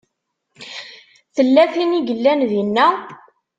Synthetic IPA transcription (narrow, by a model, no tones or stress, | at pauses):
θəlːæθiniʝəlːænðinːæ